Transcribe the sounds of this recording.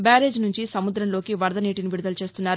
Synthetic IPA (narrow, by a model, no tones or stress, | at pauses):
baːɾe̞ːd͡ʒnuɲt͡ʃisɐmud̪ɾɐmlo̞ːkiʋɐɾd̪ɐniːʈiniʋiɾud̪ɐlut͡ʃe̞ːst̪unːaːɾu